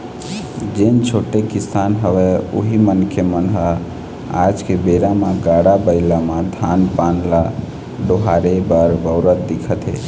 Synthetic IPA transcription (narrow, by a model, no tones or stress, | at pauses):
d͡ʒent͡ʃʰoʈekisanɦəweo̰ɦimənkʰjemənɦə | ad͡ʒkebeɾamaɡaɽabəɪlamãd̪ʱanpanla | ɖoɦaɾebəɾbəʊɾət̪̚d̪ikʰət̪ɦɛ̰